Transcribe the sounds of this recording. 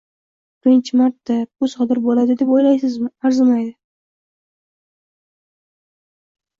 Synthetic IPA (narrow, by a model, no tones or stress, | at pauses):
bɪɾɪnt͡ʃʰɪmaɾt̪ːabʊsɒd̪ɪɾbolad̪ɪd̪e̞pojlajsɪzmɪaɾzɪmajd̪ɪ